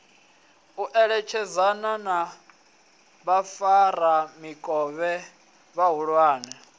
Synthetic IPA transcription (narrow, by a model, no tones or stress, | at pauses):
uʔɛɺɛt͡ʃʰɛzanana | βafaɾamikʼɔβɛ | βaɦuɺwaːnɛ